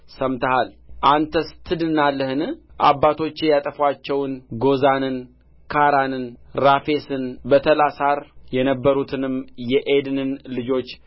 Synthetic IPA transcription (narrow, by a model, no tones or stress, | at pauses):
səmt̪ʰəhalʔant̪ʰəst̪ʰɨd̪ɨnalːəhɨnɨʔa̰bːat̪ʰo̞t͡ʃːjat̪ʼəfwat͡ʃːɛwnɡo̞zanɨn | kʰaɾanɨnɾafe̞sɨnbət̪ʰəlasaɾjɛnəbːəɾut̪ʰɨnɨmjɛʔed̪ɨnɨnlɨd͡ʒo̞t͡ʃː